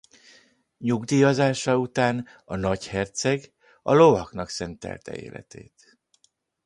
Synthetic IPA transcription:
ɲuɡd̪iːɒzaːʃɒut̪aːn | ɒnɒchɛrt̪sɛɡ | ɒ̰lo̞vɒknɒksɛnt̪ɛ̰lt̪ɛ̰ḛːlɛ̰t̪ḛːt̪

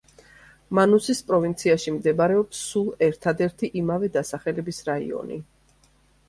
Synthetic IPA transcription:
manusispʼɾɔvint̪sʰiaʃimd̪ɛbaɾɛɔpsːulˠɛɾt̪ʰad̪ɛɾt̪ʰiʔimavɛd̪asaχɛlɛbisɾaḭɔ̰nḭ

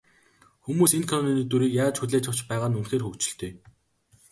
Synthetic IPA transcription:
xumuːsenkʰanɔniːnet̪wuɾiːkjaːt͡ɕxuɮeːt͡ɕʰə̆w̥t͡ɕpæːʁaːnunxeːrxɵkt͡ɕɪ̆ɬt̪eː

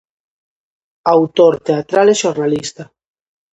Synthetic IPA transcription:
awt̪oɾt̪eat̪ɾaleʃoɾnalist̪a

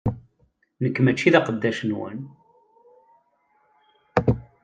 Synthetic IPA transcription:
nəkːmæt͡ʃːiðɑqəd̪ːæʃənwə̰n

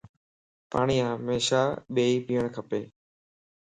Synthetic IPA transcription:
paːɳiːãːɦəmeːʃaːɓeːiːpiːəɳ̃kʰəpeː

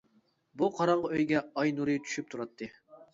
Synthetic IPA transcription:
buqʰɑɾɑɴʁɑøjɡʲɛɑjnuɾɨjt̪ʰy̥ʃyp̚t̪ʰuɾɑt̪ʰːɨ

